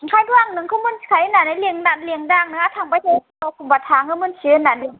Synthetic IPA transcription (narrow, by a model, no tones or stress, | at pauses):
ŋkʰaːjt̪ʰwaŋnɯŋkʰɔmunkʰajnaːnaliəŋdat̪̚liəŋdaːŋ̚nɯat̪ʰaːŋpat̪ʰeːɔkumbat̪ʰaːŋkʰɯmɯnsinani